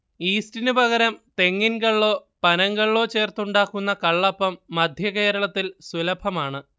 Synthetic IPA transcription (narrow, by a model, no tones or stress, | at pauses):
iːstinɨbʱɐɣɐɾɐmt̪e̞ŋːinɡɐɭːo̞ːpɐnɐŋɡɐɭːo̞ːt͡ɕe̞ːrt̪uɳɖaːkːunːɐkɐɭːɐpːɐmːɐd̪ʱjɐke̞ːɾɐɭɐt̪ːilsulɐbʱɐmaːɳɨ